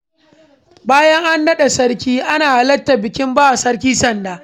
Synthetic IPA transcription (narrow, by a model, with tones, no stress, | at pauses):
baː˦jɐ˦ŋʔa˦ndɐ˦ɗe˨sɐ˦ɽkʲiː˦ʔa˦naː˨ʔa˨lɐ˦tːa˨bɪ˨kʲɪ˦mbaː˦ʔa˨sɐ˦ɽk̬ʲiː˦sɐ˦˨ndaː˨